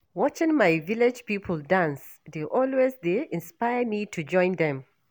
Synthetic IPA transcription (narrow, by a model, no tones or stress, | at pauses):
wɔt͡ʃɪ̃ŋmaɪviled͡ʒpipʰəl̩ˠdãns | deʔɔlwezdeʔɪ̃nspaɪəmitʰud͡ʒɔ̃ɪ̃nðɛ̃m